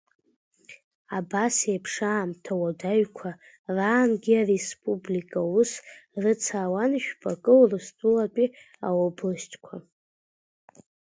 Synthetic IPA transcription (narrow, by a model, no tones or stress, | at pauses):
abasejpʰʂaːmtʰawadaɥkʷʰa | raːnɡʲiarespʼublikʼausrɨt͡sʰaːwanʃᶣpʰʼakʼɨlrɨstʼulatʼi | a̰oblɨstʰʼkʷʰa